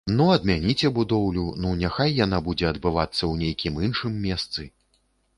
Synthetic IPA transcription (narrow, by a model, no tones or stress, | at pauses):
nuɐd̪̚mʲanʲit͡sʲɛbud̪ɔwlʲununʲaxajːanabud͡zʲɛɐd̪bɨvat̪sːɐwnʲejkʲiminʂɨmːʲɛst̪sɨ